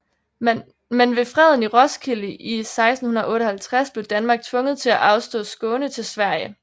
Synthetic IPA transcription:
menʋe̝fʁɛðˠn̩iʁɒ̽skʰiləʔisɑ̈ɪsd̥n̩hunˠɐʔɔ̽ːɾəhælt͡sʰʁasb̥le̝ʊd̥ænmɑ̈ːɡ̥̚t͡sʰʋɔ̽ŋəð̩ˠt͡sʰe̝læʔɑ̈ʊsd̥ɔ̰̽ːsɡ̥ɔ̽ːnət͡sʰe̝lsʋæɐ̰jə

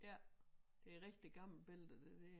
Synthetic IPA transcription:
jæd̥eʁɛɡ̥̚d̥iɡ̥ɑ̈ml̩b̥eld̥əd̥ed̥e

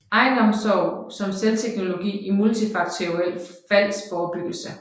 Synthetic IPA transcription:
ɑ̈ɪnɒ̽msɒʊsɒ̽mselt͡sʰeɡ̥no̝lo̝ɡ̥ḭːimult͡sʰifɑ̈ɡ̥t͡sʰeel̰fæl̰sfɒːb̥yɡ̥l̩sə

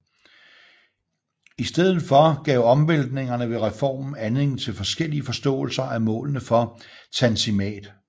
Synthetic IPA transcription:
isd̥eð̞̰̩ˠfɒ̽ɡ̥ɛ̰ʊ̰ɒ̽mʋeld̥̚ne̝ŋɐnəʋe̝ʁɛfɒ̰ːmn̩ænle̝ŋ̰n̩t͡sʰe̝lfɒ̽sɡ̥el̰iəfɒ̽sd̥ɔ̰̽ːl̩sɐæmɔ̰̽ːlnəfɒ̽ | t͡sʰænsimɛ̰ːd̥

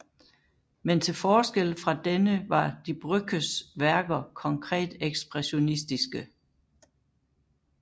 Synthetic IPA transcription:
ment͡sʰe̝lfɒːsɡ̥el̰fʁɑ̈d̥enəʋɑ̈d̥ib̥ʁœɡ̥əsʋæɐɡ̥ɐkʰɒ̽ŋkʰʁɛ̰ːd̥eɡ̥sb̥ʁɛɕo̝nisd̥isɡ̥ə

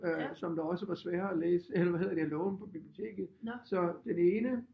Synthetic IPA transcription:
øsɒ̽md̥ɑ̈ɒ̽səʋɑ̈sʋɛːɐælḛːsəelɐʋæɦe̝ðˠd̥iælɔʊn̩pʰɒ̽b̥ib̥liot͡sʰe̝̰ːɡ̥ð̩ˠsɒ̽d̥ene̝ːnə

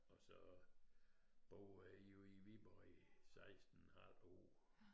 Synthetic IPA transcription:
ɒsɒ | b̥oːæjoiʋib̥ɒɪsɑ̈ɪsd̥n̩haloː

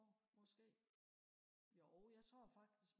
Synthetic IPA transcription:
mɒ̽sɡ̥e̝̰ː | joʔɔʊjɑ̈ɪt͡sʰʁo̝ɐfɑ̈ɡ̥̚d̥isɡ̥

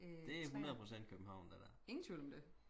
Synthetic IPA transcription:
d̥e̝æɦunɐð̩ˠpʰʁo̝sen̰d̥̚kʰøb̥̚m̩hɑ̈ʊ̰nd̥æd̥æe̝ŋn̩t͡sʰʋḭlɒ̽md̥e

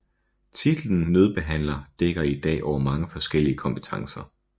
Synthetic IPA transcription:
t͡sʰid̥l̩n̩nøð̞ˠb̥e̝ɦæn̰lɐd̥eɡ̥ɐid̥ɛ̰ːʔɒʊ̰ɐmɑ̈ŋəfɒ̽sɡ̥el̰iəkʰɒ̽mpʰe̥t͡sʰɑ̈ŋsɐ

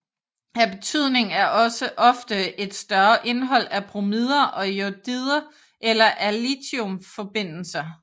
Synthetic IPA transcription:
hæɐb̥e̝t͡sʰyð̞̰ˠne̝ŋæɐʔɒ̽səʔɒ̽fd̥əe̝d̥sd̥ɶɐʔe̝nɦɒ̽l̰æpʰʁomiðˠɐʔɒ̽jod̥iðˠɐ | ʔelɐʔælit͡sʰiomfɒ̽b̥e̝n̰l̩sɐ

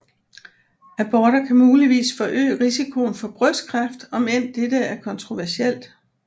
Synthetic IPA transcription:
æb̥ɒːɾ̥ɐkʰæmuːliʋḭːsfɒ̽ʔø̰ːʁisikʰo̝n̩fɒ̽b̥ʁœskʰʁɑfd̥ɒ̽men̰d̥ed̥əæɐkʰɒ̽nt͡sʰʁo̝ʋæɐsiel̰d̥

